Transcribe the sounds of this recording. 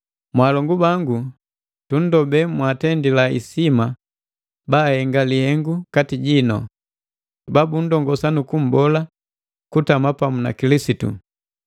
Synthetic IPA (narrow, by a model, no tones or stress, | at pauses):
mwalɔŋɡubaŋɡu | tun̩dɔbɛmwatɛndilaḭsima | baːhɛŋɡalihɛŋɡukatiɟinɔ̰ | babun̩dɔŋɡɔsanukum̩bɔla | kutamapamuna̰kilisitṵ